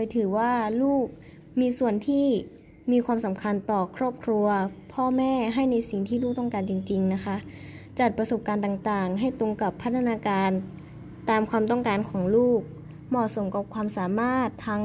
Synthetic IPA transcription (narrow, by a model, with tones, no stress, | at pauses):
oː˧jt̪ʰɯː˩˦waː˥˩luː˥˩k̚ | miː˧su˨˩ənt̪ʰiː˥˩ | miː˧kʰwaː˧msa˩˦mkʰa˧nt̪ɔː˨˩kʰɾɔː˥˩p̚kʰɾu˧ɐpʰɔː˥˩mɛː˥˩ɦa˥˩jna˧jsi˨˩ŋt̪ʰiː˥˩luː˥˩k̚t̪ɔ˥˩ŋkaː˧nt͡ɕi˧ŋt͡ɕi˧ŋna˦˥kʰa˦˥ʔ | t͡ɕa˨˩t̪̚pɾa˧so˨˩p̚kaː˧nt̪aː˨˩ŋt̪aː˨˩ŋɦa˥˩jt̪u˧ŋka˨˩pʰːa˦˥t̪̚ʰːa˧naː˧kaː˧n | t̪aː˧mkʰwaː˧mt̪ɔ˥˩ŋkaː˧nkʰɔː˩˦ŋluː˥˩k̚ | mɔː˨˩t̪̚so˩˦mka˨˩p̚kʰwaː˧msaː˩˦maː˥˩t̪ʰːa˦˥ŋ